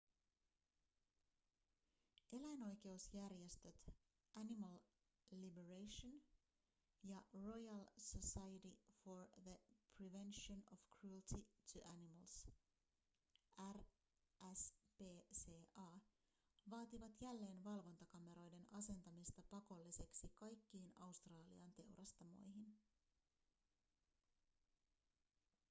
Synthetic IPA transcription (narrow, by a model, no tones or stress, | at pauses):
ʔe̞læjno̞jk̟e̞usjærjest̪ø̞t̪ | ʔænimɑl | libeɹejʃon | jɑro̞jɑlsosɑjtifoɹðəpʰɾiʋe̞nʃonofkrult̪ʰit̪ʰuʔænimɑls | ær | æspe̞ːseːʔɑː | ʋɑːt̪iʋɑt̪jælːe̞ːnʋɑlʋo̞nt̪ɑkɑme̞ɾo̞jde̞nɑse̞nt̪ɑmist̪ɑpɑko̞lːise̞ksikɑjkːiːnɑust̪rɑːlḭɑnt̪e̞wrʔɑst̪ɑmo̞̰jɦin